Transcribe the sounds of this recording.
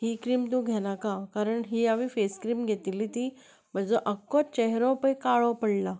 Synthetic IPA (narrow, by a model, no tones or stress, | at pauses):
hiːkɾiːmt̪ũɡʱɛnakakaɾəɳɦiːaʋiːfeskɾiːmɡʱet̪ilit̪iː | m̤əd͡zəʔəkːɔt͡ɕɛɦɾɔ̃pəjkaɭɔpəɽla